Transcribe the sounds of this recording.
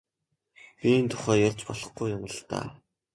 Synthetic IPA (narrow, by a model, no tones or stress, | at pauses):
piːnt̪ʰʊ̥χæːjʊrʲt͡ɕpɔɮɞ̆χɡujːʊmə̆ɮt̪a̰ː